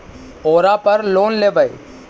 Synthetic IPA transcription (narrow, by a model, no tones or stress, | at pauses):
oːɾapɐɾloːnleːʋəe